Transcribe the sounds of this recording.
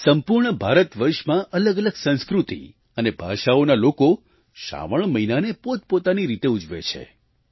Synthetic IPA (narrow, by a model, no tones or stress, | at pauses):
səmpuɾɳəbʱaɾət̪ʋəɾʃmãʔələɡələɡsə̃nskɾut̪ḭ | ənebʱaʃaonaloko | ʃa̰ʋəɭ̃məinanepot̪̚pot̪aniɾit̪eud͡ʒʋḛt͡ʃʰḛ